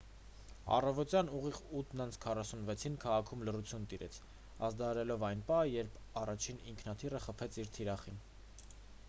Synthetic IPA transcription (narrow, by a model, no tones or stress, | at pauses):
ɑ̰rɑvɔtjɑnuʁiʁut̪ʰnɑnt͡sʰkʰɑrɑsunvɛt͡sʰinkʰɑʁɑkʰumlərut͡sʰjunt̪iɾɛ̰t͡sʰ | ɑ̰zd̪ɑɑɾɛlɔvɑjnpɑəjɛɾpʰɑrɑt͡ʃʰinḭŋkʰnɑt̪ʰirəχəpʰɛt͡sʰiɾt̪ʰiɾɑχin